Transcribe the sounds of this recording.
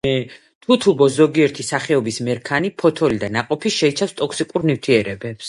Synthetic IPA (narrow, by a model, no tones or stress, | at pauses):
ɛ | t̪ʰut̪ʰubɔszɔɡiɛɾt̪ʰisaχɛɔbismɛɾkʰanipʰɔt̪ʰɔlid̪anaqʼɔpʰiʃɛit͡ʃʰafst̪ʼɔkʰsikʼuɾnift̪ʰiɛɾɛbɛps